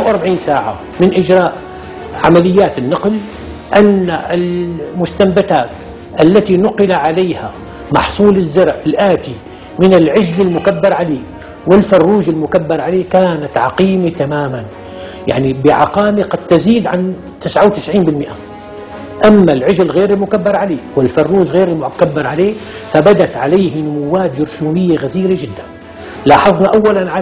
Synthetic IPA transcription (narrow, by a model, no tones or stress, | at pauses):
awʔɑɾˤbaʕiːnsaːʕa̰ | mɪnʔɪd͡ʒɾˤɑːʔ | ʕamalɪjːaːt̪ɪnːɑql | ʔanːaɪlmʊst̪ambat̪aːt̪ | ʔalːat̪inʊqɪlaʕalaːha̰ | mɑ̰ħsˤuːlɪzːɑɾˤʕɪlʔaːt̪i | mɪnɪlʕɪd͡ʒlɪlmʊkabːɑɾˤʕaleː | wɪlfɑrˤːuːʒɪlmʊkabːɑɾˤʕaleːkaːnat̪ʕɑqiːmit̪amaːman | ja̰ʕnibɪʕɑ̰qɑːmiqɑd̪̚t̪ːaziːd̪ʕan | t̪ɪsʕawt̪ɪsʕiːnbɪlmɪʔa | ʔamːalʕɪʒɪlɣeːɾɪlmʊkabːɑɾˤʕaleːwɪlfɑrˤːuːʒɣeːɾɪlmkabːɑɾˤʕaleː | fabad̪at̪ʕalaːhnʊmʊwːaːt̪d͡ʒʊɾsuːnɪjːaɣaziːɾad͡ʒɪd̪ːan | lɑːħɑðˤnɑʔawːalanʕa